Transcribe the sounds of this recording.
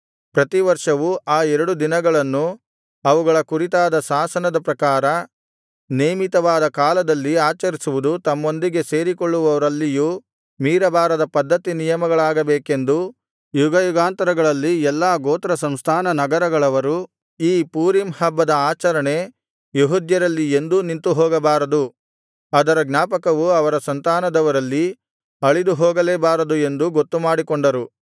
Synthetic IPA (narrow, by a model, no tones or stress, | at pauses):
pɾɐt̪iʋɐɾʂɐʋuʔaːɛɾɐɽud̪inɐɡɐɭɐnːu | ɐʋuɡɐɭɐkuɾit̪aːd̪ɐsaːsɐnɐd̪ɐpɾɐkaːɾɐ | neːmit̪ɐʋaːd̪ɐkaːlɐd̪ɐlːiaːt͡ʃɐɾisuʋud̪ut̪ɐmːo̞nd̪iɡe̞se̞ːɾikoɭːuʋɐʋɐɾɐlːijuː | miːɾɐbaːɾɐd̪ɐpɐd̪ːɐt̪inijɐmɐɡɐɭaːɡɐbeːke̞nd̪u | juɡɐjuɡaːnt̪ɐɾɐɡɐɭɐlːiɛlːaːɡoːt̪ɾɐsɐmst̪ʰaːnɐnɐɡɐɾɐɡɐɭɐʋɐɾu | iːpuːɾimhɐbːɐd̪ɐaːt͡ʃɐɾɐɳe̞ | juɦud̪jɐɾɐlːiend̪unint̪uɦɔːɡɐbaːɾɐd̪u | ɐd̪ɐɾɐɡnaːpɐkɐʋuɐʋɐɾɐsɐnt̪aːnɐd̪ɐʋɐɾɐlːi | ɐɭid̪uɦɔːɡɐleːbaːɾɐd̪ue̞nd̪uɡot̪ːumaːɽikɔɳɖɐɾu